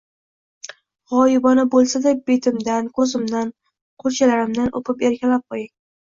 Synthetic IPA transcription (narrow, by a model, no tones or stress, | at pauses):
ʁɒjɪbɒnabolˠsad̪ab̥e̞t̪ʰɪmd̪ankʰɵzɪmd̪an | qʰoɾt͡ʃʰalaɾɪmd̪anʔo̰pɪpe̞ɾkʲalap̚qʰojɪŋ